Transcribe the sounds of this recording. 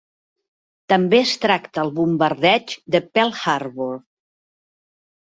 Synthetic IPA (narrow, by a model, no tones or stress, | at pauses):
t̪əmbeəst̪ɾakt̪əːlˠβumbəɾðɛd͡ʒd̪əpɛlˠxaɾβuɾ